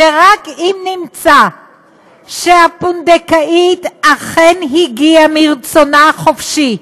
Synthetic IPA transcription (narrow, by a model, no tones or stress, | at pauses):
eʁakimnimt͡sa | ʃeapund̪ekaʔit̪aχenɦiɡiamiɾt͡sonaχofʃi